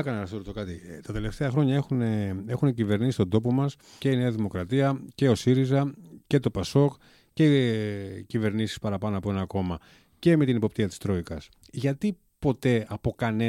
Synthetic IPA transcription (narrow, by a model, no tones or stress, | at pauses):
ɐkɐnɐɐsoɾst̪o̞kɐt̪it̪ɐt̪e̞le̞ft̪eɐxɾo̞ɲɐe̞xune̞e̞xunecive̞ɾnisist̪o̞nd̪o̞po̞mɐs | ce̞ineɐðimo̞kɾɐt̪iɐce̞o̞siɾizɐce̞t̪o̞pɐso̞k | ce | cive̞ɾnisi̥spɐɾɐpɐno̞ɐpo̞e̞nɐko̞mɐ | ce̞met̪inepo̞p̚t̪iɐt̪i̥st̪ɾo̞ikɐs | ʝɐt̪i | po̞t̪e̞ɐpo̞kɐne